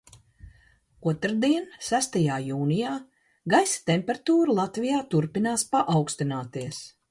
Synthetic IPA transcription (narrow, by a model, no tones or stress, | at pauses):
uɔt̪ɾd̪iɛnsæst̪ajaːjuːnijaː | ɡajsi̥t̪emʲpʲɛɾat̪uːɾulˠat̪vijaːt̪uɾpinaːspaʔawkst̪inaːt̪iɛs